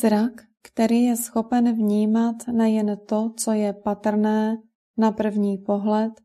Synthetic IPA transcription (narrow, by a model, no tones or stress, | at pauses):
zɾakːt̪ɛɾiːjɛsxo̞pɛnvɲiːmat̪nɛjɛnt̪o̞t͡so̞jɛpat̪r̩nɛː | napr̩vɲiːpo̞ɦlɛt̪